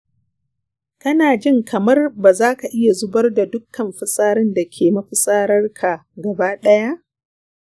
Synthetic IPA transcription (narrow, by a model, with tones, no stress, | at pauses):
kɐ˦naː˨d͡ʒɪ˦ŋkʰɐ˨mɐ˦rba˨zaː˦ka˨ʔɪ˦ja˨zʊ˦bɐ˦rda˨dʊ˦kːɐ˨mɸɪ˦sʼaː˦ɾɪ˦nda˨kʲʰeː˨mɐ˦ɸɪ˨sʼaː˦ɾɐ˦rkʰa˨ɡɐ˨baː˦ɗɐ˦ja˦ʔ